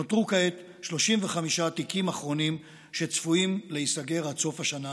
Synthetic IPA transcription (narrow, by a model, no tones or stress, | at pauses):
not̪ʁukaet̪ | ʃlo̞ʃimveχamiʃaːtikimaχʁo̞nim | ʃe̞t͡sfuimleisaɡe̞ʁat͡so̞faʃana